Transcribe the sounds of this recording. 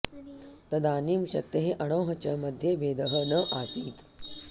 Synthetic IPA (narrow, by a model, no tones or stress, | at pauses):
t̪ɐd̪aːnimɕɐ̰k̚t̪ɐɦeʔɐɽ̃ɐwɦɐt͡ɕɐmɐd̪ʱjebeːd̪ɐɦənɐʔasiːt̪